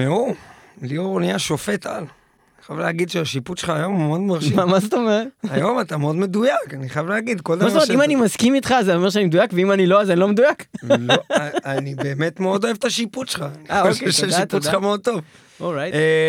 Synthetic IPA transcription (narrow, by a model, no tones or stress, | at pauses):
meulioʁonijaʃo̞fe̞t̪a̰l | niχajavlehaɡid̪ʃeaʃiput̪ʃelχaːjo̞mmeod̪maʁʃmamazet̪omeʁet̪ajo̞mat̪ameo̞d̪me̞d̪ujakaniχajavleaɡid̪kold̪mzetoet̪imanimaskimit̪χazeomeʁʃ̬eanimed̪ujakveimanilo̞azanilo̞med̪ujak | anibe̞ːme̞t̪meod̪o̞evet̪aʃiput̪ʃe̥lχaniaokeʃdaʃipulameod̪̚t̪o̞v | ʔolʁaj